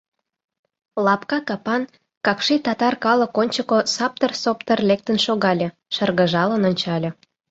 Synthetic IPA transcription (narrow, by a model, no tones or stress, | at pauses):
lɑpkɑkɑpɑn | kɑkʃit̪ɑt̪ɑrkɑlə̆konʲt͡ɕəkosɑp̚t̪ərsopt̪ərlek̚t̪ənʃoɣɑlʲĕ | ʃərɣəʒɑlənonʲt͡ɕɑlʲĕ